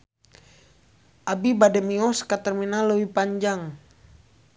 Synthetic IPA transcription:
ʔabibadɛmiɔskat̪ərminalːəwipaɲd͡ʒaŋ

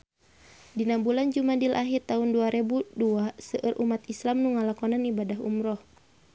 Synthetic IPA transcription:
dinambuland͡ʒumadilʔaɦirt̪aunduaɾɛbuduasəʔərʔumat̪islamnuŋalakɔnanibadaɦṵmɾɔh

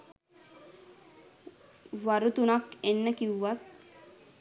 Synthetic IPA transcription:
ʋaɾut̪unakenːəkiwʋat̪̚

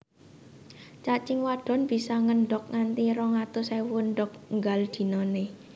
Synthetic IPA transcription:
t͡ʃat͡ʃɪŋwaɖ̥ɔ̤nb̥i̤saŋənɖɔk̚ŋant̪iɾɔŋat̪ʊsajwunɖɔk̚ŋɡald̪̥i̤nɔne

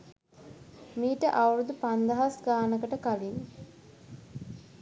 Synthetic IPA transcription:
miːʈəʔawɾud̪upand̪aɦasɡaːnəkəʈəkalinː

